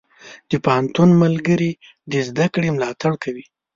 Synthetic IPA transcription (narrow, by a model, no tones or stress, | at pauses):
d̪̥əpahant̪unmalɡəɾi | d̪əzd̪akɽemlɑt̪aɽkawi